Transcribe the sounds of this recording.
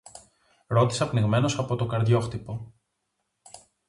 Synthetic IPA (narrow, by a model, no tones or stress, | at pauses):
ɾo̞t̪i̥sɐpniɣme̞no̞sɐpo̞t̪o̞ɡɐɾðʝo̞xt̪ipo̞